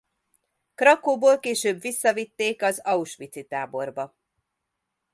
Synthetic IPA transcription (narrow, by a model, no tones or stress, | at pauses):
krɒkoːboːlkeːʃøːbvisːɒvit̪ːeːkɒzɒuʃʋit̪sit̪aːbo̞rbɒ